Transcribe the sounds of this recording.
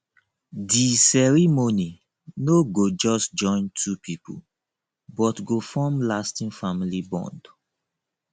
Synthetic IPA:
disɛɹimoni | noɡod͡ʒɔsd͡ʒɔ̃ɪ̃ntʰupʰipʰṵl | bɔtɡofɔ̃mlastĩnfamilibɔ̰̃nd̥

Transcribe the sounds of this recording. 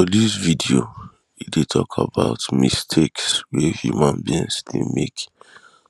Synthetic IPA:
ɔlizvidio | idetʰɔkʰa̰baʊtmistʰekswɛhjṵmãnbĩnsdemek

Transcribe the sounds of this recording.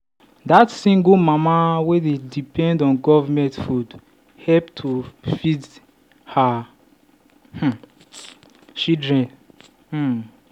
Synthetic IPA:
datsĩŋɡumamawededipʰɛ̃ndɔ̃nɡɔvamɛ̃ntfud | hɛlptʰufid | ha | h̩ | t͡ʃidɹɛ̃n | h̩

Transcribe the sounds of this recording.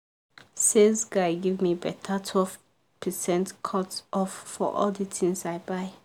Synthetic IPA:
sezɡaɪɡivmibɛtʰatʰwɛlv | pʰəsɛ̃ntkʰɔtʔɔfːɔ̰ʔɔ̰lditʰĩŋsaɪbaɪ

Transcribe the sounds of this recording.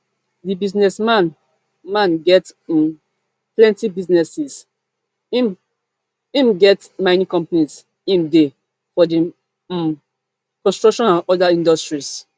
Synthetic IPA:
dibiznɛsmãn | mãnɡɛt | plɛ̃ntibiznɛsis | ĩm | ĩmɡɛtmãɪnĩkɔ̃mpnis | ĩmde | fɔdi | kɔ̃nstɹɔkʃɔ̃nãnɔdaĩndɔstɹis

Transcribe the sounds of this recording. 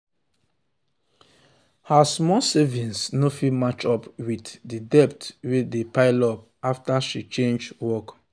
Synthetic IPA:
hasmɔsɛvĩnsnofimat͡ʃɔpwitdidɛptwedepaɪlɔp̚ | aftaʃit͡ʃẽnd͡ʒwɔk

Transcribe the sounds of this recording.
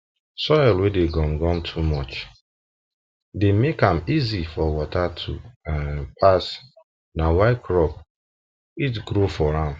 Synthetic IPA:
sɔjɪlwedeɡɔ̃mɡɔ̃mtʰumɔt͡ʃ | demekãmizifɔwɔtatʰuanpʰas | nawaɪkɹɔp | it̬ɡɾofɔɾãm

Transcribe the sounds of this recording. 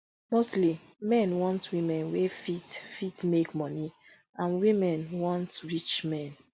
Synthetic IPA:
mostlimɛ̃nwɔ̃ntwimɛ̃nwefitfitmekmɔni | ãnwimɛ̃nwɔ̃ntɹit͡ʃmɛ̃n

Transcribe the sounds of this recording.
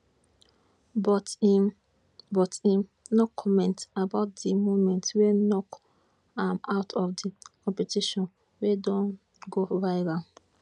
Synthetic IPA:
bɔ | bɔtĩmnɔkʰɔmɛ̃ntabaʊt̚dimomɛ̃ntwenɔk | ãmaʊtʰɔfdikɔ̃mpɛtiʃɔ̃n | wedɔ̃n | ɡovaɪɾa

